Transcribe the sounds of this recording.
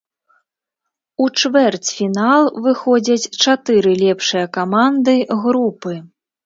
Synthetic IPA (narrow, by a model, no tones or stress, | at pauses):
ut͡ʂvɛrt͡sʲfʲinalˠvɨxɔd͡zʲɐt͡sʲt͡ʂat̪ɨɾɨlʲɛpʂɨjɐkamand̪ɨɣɾupɨ